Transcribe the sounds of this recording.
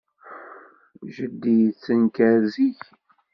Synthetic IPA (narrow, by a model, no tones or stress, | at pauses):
ʒəd̪ːijt͡sːənkæɾziç